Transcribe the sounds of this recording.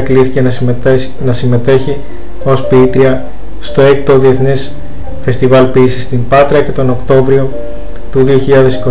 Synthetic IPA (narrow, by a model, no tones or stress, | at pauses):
kliθice̞ | nɐsime̞t̪e̞çi | o̞spiit̪ɾiɐ | st̪o̞e̞k̚t̪oðie̞θnes | fe̞st̪ivɐlpiːsist̪impɐt̪ɾɐce̞t̪o̞no̞kt̪o̞vɾio̞ | t̪uðio̞çiʎɐðe̞si̥ko